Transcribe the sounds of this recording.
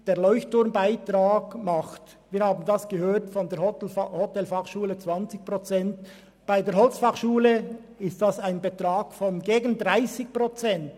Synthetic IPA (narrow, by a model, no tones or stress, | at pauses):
d̥eːɐɾlɔʏçtʊɾmbaɪtʁaːɡmɑχt | viːɾhaːbn̩dasɡ̥əhøːtfɔndeːɐhɔtɛlfɑχʃuːlət͡sv̥ɑnt͡sɪçpʁot͡sɛnt | b̥aɪdeːɾɦɔlt͡sfɑχʃuːlə | ɪst̚d̥asaɪnbətɾaːɡ̥fɔnɡeːɡn̩dʁaɪsɪçpʁot͡sɛnt